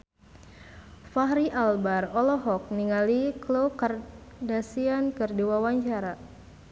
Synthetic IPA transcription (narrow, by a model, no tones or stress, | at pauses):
faɦɾiʔalbarɔlɔɦɔk̚niŋaliklokardasiankɨrdiwawaɲt͡ʃaɾa